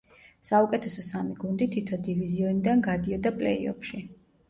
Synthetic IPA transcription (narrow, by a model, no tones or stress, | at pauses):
saukʼɛt̪ʰɛsɔsamiɡund̪it̪ʰit̪ʰɔd̪iviziɔnid̪anɡad̪iɔd̪apʼlɛḭɔ̰pʰʃi